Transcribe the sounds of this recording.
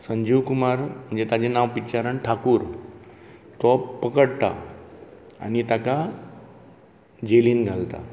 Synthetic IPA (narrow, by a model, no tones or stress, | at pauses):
səɲd͡ʑiːʋkumaɾm̤əɳd͡zet̪ad͡ʑenaʋpit͡ɕaɾəɳʈʰakuːɾ | t̪ɔpəkəɽt̪a̰ | a̰nit̪aka | d͡ʑeliːnɡʱalt̪a̰